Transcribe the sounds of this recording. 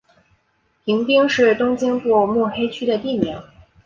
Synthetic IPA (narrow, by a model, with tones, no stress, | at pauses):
pʰi˧˥ŋpi˥ŋʂɻ̩˥˩t̪ʊ˥ŋt͡ɕɛ˥npu˥˩mu˥˩xe˥ɪt͡ɕʰy˥ɾə˨t̪i˥˩mjɑ˧˥˦ŋ